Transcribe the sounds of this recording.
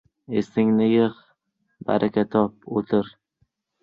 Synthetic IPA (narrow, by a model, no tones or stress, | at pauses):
est̪ɪŋnɪjɨχ | ba̰ɾʔakʲʰat̪ʰɒp̚ot̪ʰɪɾ